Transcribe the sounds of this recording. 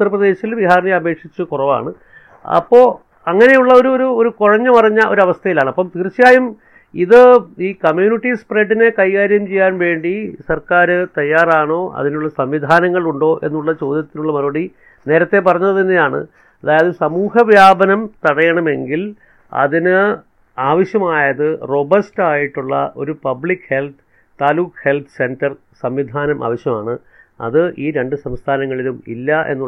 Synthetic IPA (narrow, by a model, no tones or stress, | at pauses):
ut̪ːɐrɐprɐðe̞ːɕilʋiɦaːɾɳijɐbe̞ːkʂit͡ɕːukurɐʋa̰ːɳɨ | ɐ̰pːo̞ː | ɐŋːɐnejuɭːɐo̞ɾuoɾuoɾukoɻɐɲːɐmɐrɐɲːɐʔo̞̰ɾɐʋɐst̪ʰɐjilaːɳɨɐpːɐmt̪irt͡ɕːijaːjum | iðɨiːkɐmjuːniʈːispreɖːine̞kɐjkaːɾjɐmt͡ɕejːaːnʋe̞ːɳɖisɐrkaːɾɨt̪ɐjːaːraːɳo̞ːʔɐ̰ðinuɭːɐsɐmʋid̪ʱaːnɐŋːɐɭuɳɖo̞ːʔe̞̰nːuɭːɐt͡ɕo̞ːd̪ʱjɐt̪ːinuɭːɐmɐɾɐɐɽi | ne̞ːɾɐt̪ːe̞p̬ɐrɐɲːuɐðinːejaːɳɨ̰ | ɐðaːjɐðɨsɐmuːhɐʋjaːbɐnɐmt̪ɐɽɐjɐɳɐme̞ŋɡil | ɐ̰ðinɨ | aːʋɐɕjɐmaːjɐðɨro̞bɐstaːjiʈːuɭːɐ̰ʔo̞̰ɾupɐbɭikːhe̞lt̪ʰɨ̥ | t̪ːaːluːkhe̞lt̪ʰɨ̥se̞ndɐr | sɐmʋid̪ʱaːnɐmʔa̰ːʋɐɕjɐmaːɳɨ | ɐ̰ðɨʔiːɾe̞ɳɖɨsɐmst̪ʰaːnɐŋːɐɭilumḭlːɐʔe̞̰nːu